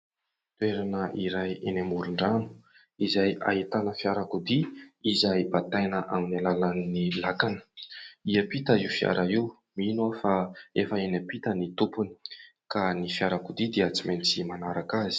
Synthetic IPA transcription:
t̪ueɾanəʔiɾajenamuɾuɳɖ͡ʐanu̥ | izajʔa̰ɦit̪anəfiaɾakud̪iizajbat̪ajnəʔaminalalanːilakanə̥iəpit̪əiufia̰ɾʔaiw | minuafaefəenapit̪ənit̪upuni̥kanifjaɾakud̪id̪eat͡siment͡simanaɾakaz̥i̥

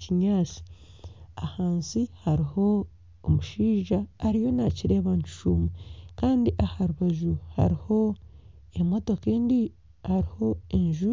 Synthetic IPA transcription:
ciɲaːt͡si̥ | ahaːnsihaɾiho̞ː | muʃiːʒaːɾijo̞naciɾe̞ːβaɲcu̥ʃuːmekaːndiʔahaɾuβaʒuha̰ɾiho̞ | emo̞to̞keːndi | haɾiho̞eɲʒu

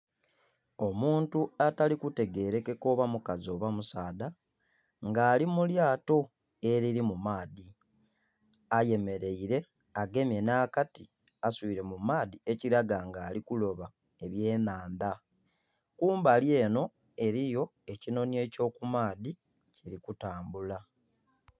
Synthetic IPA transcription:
o̞muːntuatalikute̞ɡe̞ɾe̞ke̞ko̞βamukazo̞ːβamusaːda | ŋɡaːlimuljaːto̞ | e̞ɾiɾimumaːði | aje̞me̞ɾe̞iɾe̞ | aɡe̞mje̞naːkati | asuiɾe̞mumaːðie̞ciɾaɡaŋɡaːlikulo̞βa | e̞βje̞ːnaːnda | kuːmbalje̞ːno̞ | e̞ɾijo̞e̞cino̞nje̞ːco̞ːkumaːði | ciɾikutaːmbula

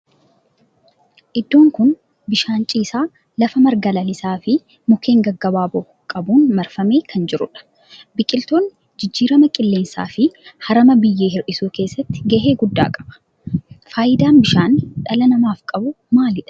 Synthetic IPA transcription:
ʔɪd̪ːo̞ːŋkʊn | bɪʃaːnt͡ʃʼiːsaː | lɐfɐmɐɾɡɐlɐlɪsaːfɪ | mʊkʰe̞ːŋɡɐɡːɐbaːbɔ | kʼɐbuːnmɐɾfɐmeːkʰɐnd͡ʒɪɾʊᶑɐ̥ | bɪkʼɪlt̪o̞ːn | d͡ʒɪd͡ʒːiːɾɐmɐkʼɪlːe̞ːnsa̰ːfɪhɐɾɐmɐbɪjːeːhɪɾʔɪsuːke̞ːsːɐt̪ːɪ̥ɡɐɦe̞ːɡʊd̪ːa̰ːkʼɐ̥bɐ̥ | faːjɪd̪aːnbɪʃaːnᶑɐlɐnɐmaːfkʼɐbʊ | maːlɪᶑɐ̥

